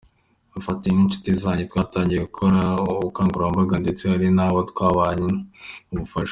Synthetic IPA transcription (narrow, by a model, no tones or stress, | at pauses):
afatiniɲt͡ʃu̥tizaːɲɟetwaːtaːɲɟieɡukʰoɾauuβukaːŋɡuɾambaɡande̞t͡sehaɾinaːwotwaːβaːɲiuβufaʃo